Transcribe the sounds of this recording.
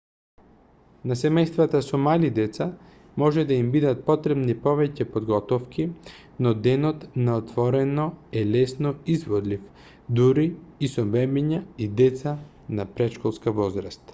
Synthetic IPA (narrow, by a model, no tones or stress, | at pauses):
nasɛmɛjst̪vat̪asɔmalid̪ɛt̪sa | mɔʒɛd̪aimbid̪at̪̚pɔt̪ɾɛbnipɔvɛcɛpod̪ɡɔt̪ɔfki | nɔd̪ɛnɔt̪naot̪vɔɾɛnɔɛlɛsnoizvɔd̪lif | d̪uɾiːsɔbɛmɛɲaid̪ɛt̪sa | napɾɛʃkɔlˠskavɔzɾast̪